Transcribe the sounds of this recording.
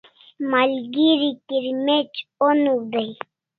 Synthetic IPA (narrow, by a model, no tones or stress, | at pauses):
malɡiɾikiɾmet͡ɕonud̪aj